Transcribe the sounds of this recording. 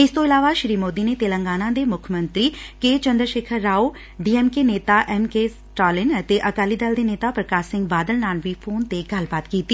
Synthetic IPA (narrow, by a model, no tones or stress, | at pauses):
ɪst̪õːɪlaːʋaːʃɪɾiːmoːd̪iːneːt̪eːlə̃ŋɡaːnãːd̪eːmʊkʰmə̃nt̪ɾiːkeːt͡ʃə̃nd̪ɾʃeːkʰəɾːaːoː | ɖiːɛːmkeːneːt̪aːʔɛːmkeːs | ʈaːlɪnət̪eːʔəkaːliːd̪əld̪eːneːt̪aːpɾəkaːʃsɪ̃ŋɡbaːd̪əlnaːnʋiːpʰoːnt̪eːɡəlbaːt̪kiːt̪iː